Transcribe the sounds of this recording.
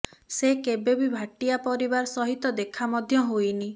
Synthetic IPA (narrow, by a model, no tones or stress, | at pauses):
sekebebibʱaʈijapɔɾibaɾɔsɔɦit̪ɔd̪ekʰamɔd̪ʱjɔɦojni